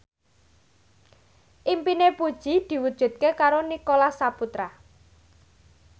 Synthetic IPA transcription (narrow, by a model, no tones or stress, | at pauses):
ʔimpinepud̥ʒ̥i̤d̪̥i̤wud̥ʒ̥ṳt̪̚kekaɾonikolasaput̪ɾa